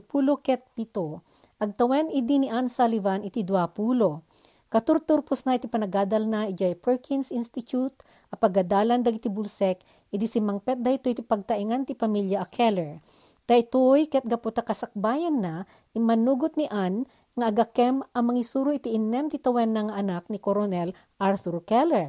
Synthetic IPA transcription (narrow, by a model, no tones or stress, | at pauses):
puːlokɛt̪̚pit̪o | ʔɐɡ̚t̪ɐwɛnʔɪd̪iniʔansalivanɪt̪id̪wapuːlo | kɐt̪ʊɾt̪ʊɾposnɐʔit̪ipɐnɐɡaːd̪ɐlnaʔid͡ʒajpɛɹkʰinsinst̪ɪt̪jut̪̚ | ʔɐpɐɡɐd̪aːlɐnd̪ɐɡit̪ibʊlsɛk | ʔɪd̪isimɐŋpɛt̪̚d̪ɐhɪt̪ojt̪ipɐɡ̚t̪ɐʔiŋant̪ipɐmiljɐʔɐkʰɛlɛɹ | d̪̥ɐɪt̪ojkɐɐt̪̚ɡɐpot̪ɐkɐsɐk̚baːjɐnːa | ʔimɐnuːɡʊt̪̚niʔan | ŋɐɐɡɐkɛmʔɐŋmɐŋisuːɾoʔɪt̪iʔɪnːɛmt̪it̪ɐwɛnːɐŋɐʔɐnak̚nikoɾonɛl | ʔaɾθuɾkɛlɛɹ